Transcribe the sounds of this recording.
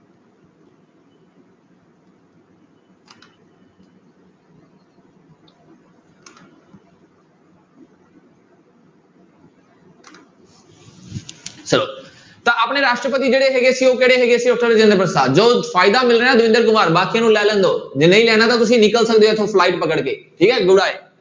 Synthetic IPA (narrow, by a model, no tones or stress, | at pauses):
sɐɾoː | t̪ɐʔapɳeɾaːʃʈɾəpət̪id͡ʒeːɽeɦeɡesiokeːɽeɦeɡesioʈʰəld͡ʒẽnd̪əpəɾsaːd͡ʒoːfaːɪd̪amɪlɾəãd̪ʊɪ̃nd̪əɾkʊmaːɾbaːkiãnũlaːlə̃nd̪oːd͡ʒenəĩlɛːɽ̃ãt̪at̪ʊs̬ĩnɪkəlsɐɡəd̪oet̪ʰoflaːɪʈ̚pɐkəɽkeːʈʰiːkaɦeɡʊɽaːɦeː